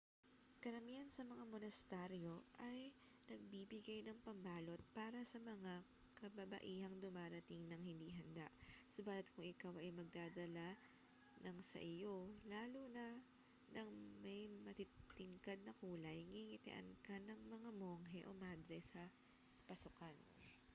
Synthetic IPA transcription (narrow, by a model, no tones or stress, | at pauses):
kɐɾɐmiɐnsɐmɐŋamonɐst̪ɛɾjo̞ʔɐj | nɐɡ̚bibɪɡajnɐŋpɐŋbaːlo̞t̪̚paːɾɐsɐmɐŋa | kɐbɐbɐ̰ʔiːhɐŋd̪ʊmaːɾɐt̪iŋnɐŋhɪnd̪iːɦɐnd̪aʔsobaːlɐt̪̚kʰʊŋɪkawʔɐjmɐɡ̚d̪aːd̪ɐla | nɐŋsɐ̰ʔɪjo̞laːlunɐ | nʔɐŋmɐjmɐt̪it̪ɪŋkad̪̚nɐkuːlɐjŋɪŋɪt̪ɪ̰ʔɐ̰nkɐnɐŋmɐŋamo̞ːŋɦɛʔo̞maːd̪ɾɛsɐ | pɐsʊkan